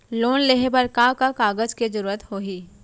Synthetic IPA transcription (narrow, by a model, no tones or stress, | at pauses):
loːnleɦebɐɾkaːkakaːɡəd͡ʒked͡ʒəɾuːɾət̪hoːɦiː